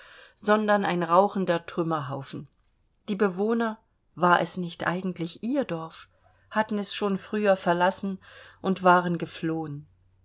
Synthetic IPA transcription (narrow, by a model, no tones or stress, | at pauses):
z̥ɔndɐna̰ɪnʁaʊxn̩dɐtʁ̥ʏmɐɦaʊfn̩ | d̥iːbəvoːnɐ | vaːɐʔɛsnɪçtʔa̰ɪɡŋ̩tʰlɪçʔiːɐdɔɐf | hatn̩ɛsʃoːnfʁ̥yːɐfɛɐlasn̩ʔʊntv̥aːʁənɡəfloːən